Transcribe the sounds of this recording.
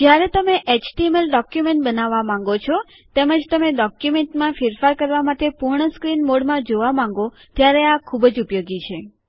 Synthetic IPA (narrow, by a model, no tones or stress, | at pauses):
d͡ʒjaɾet̪əmeʔet͡ʃʈiemelɖɔkjumeɳʈbənaʋamãŋɡot͡ʃʰɔ | t̪eməd͡ʒt̪əmeɖɔkjumeɳʈmãfɪɾfaɾkəɾʋamat̪epuɾɳəskɾinmoɽmãd͡ʒoʋamãŋ̆ɡo | t̪jaɾeakʰubd͡ʒupjoɡit͡ʃʰe